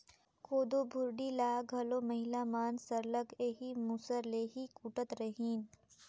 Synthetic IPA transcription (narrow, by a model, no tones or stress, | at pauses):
kʰoːd̪oːbʱʊɾɖilaːɡʱɐloːmɐɦɪlaːmaːnsɐɾləɡeːɦimuːsəɾleːɦikuːʈət̪ɾɐɦiːn